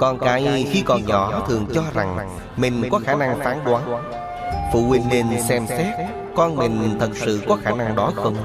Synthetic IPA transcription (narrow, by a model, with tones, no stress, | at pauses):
kɔ˧˩nkaː˨˦jxi˧kɔ˨˩nɲɔ˨˩˦t̪ʰɨ˨˩əŋt͡ɕɔ˧za˨˩ŋ | mï˨˩ŋ̟kɔ˨˦xaː˧˩na˧ŋfaː˨˦nɗwaː˨˦n | fṵ˧˨wï˧˩ŋ̟ne˧nsɛ˧msɛ˦˥t̚ | kɔ˧nmï˨˩ŋ̟t̪ʰə˨˩t̚sɨ̰˧˨kɔ˨˦xaː˧˩na˧ŋɗɔ˨˦xə˧wŋ͡m